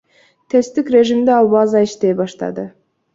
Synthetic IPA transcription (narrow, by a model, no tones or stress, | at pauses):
t̪ʰe̞st̪ikɾe̞ʒimd̪eɑlˠbɑzɑiʃt̪e̞jbɑʃt̪ɑ̰d̪ɯ